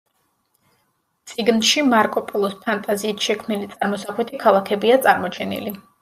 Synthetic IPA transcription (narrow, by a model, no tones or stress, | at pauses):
t̪sʼiɡnʃimaɾkʼɔpʼɔlˠɔspʰant̪ʼaziːt̪ʰʃɛkʰmnilit̪sʼaɾmɔsaχwɛt̪ʰikʰalˠakʰɛbiat̪sʼaɾmɔt͡ʃʰɛnḭli